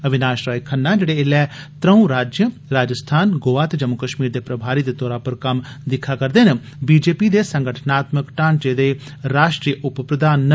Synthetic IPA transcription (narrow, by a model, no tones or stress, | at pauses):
əʋɪnaːʃɾaːikʰənːãːd͡ʒeːɽeːɪlɛːt̪ɾəũɾaːd͡ʒjə | ɾaːd͡ʒəst̪ʰaːnɡoːʋaːt̪ed͡ʒəmːʊkəʃmiːɾd̪eːpɾəbʱaːɾiːd̪eːt̪ɔːɾaːpəɾkɐm | d̪ɪkʰːaːkəɾd̪eːn | biːd͡ʒeːpiːd̪eːsə̃ŋɡəʈʰnaːt̪məkʈãːnd͡ʒeːd̪eː | ɾaːʃʈɾiːəʔʊppɾəd̪aːn